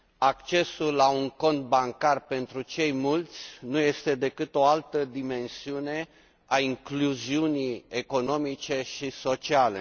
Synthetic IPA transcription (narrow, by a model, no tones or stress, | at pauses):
akt͡ʃe̞sulːauŋko̞nt̪̚baŋkarpe̞nt̪ɾut͡ʃe̞jmult̪sʲnuje̞st̪e̞d̪e̞kɨt̪o̞alt̪əd̪ime̞nsiune̞ | aiŋkluziunieko̞no̞mit͡ʃe̞ʃiso̞t͡ʃiale̞̰